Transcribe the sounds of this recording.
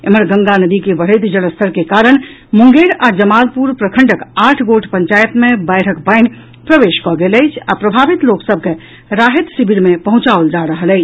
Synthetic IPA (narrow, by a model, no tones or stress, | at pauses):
ḛməɾɡəŋɡanəd̪ikebəɽ̤əɪt̪d͡ʒələst̪ʰəɾkekaɾəɽ̃ | muŋɡeɾad͡ʒəmalpuɾpɾəkʰəɳɖəkaʈʰɡoʈʰpəɲt͡ʃajət̪mebəjʈʰəkbəɪn | pɾəʋeʃkɔɡeləɪt͡ʃʰa̰pɾəbʱaʋit̪loksəb̚ʱke | ɾaɦit̪sibʱiɾmepəɦũt͡ʃaold͡ʒaɾəɦələɪt͡ʃʰ